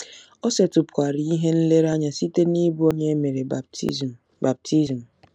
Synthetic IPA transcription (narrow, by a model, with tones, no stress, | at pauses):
o˦se˨tʊ˨pkʷa˨ɾi˨i˦ɦe˦n̩˦le˦ɾa˦ɲa˨si˦te˦ni˦bu˦o˦ɲe˦me˨ɾe˨˦ | ba˨p̚tʰi˦zm̩˨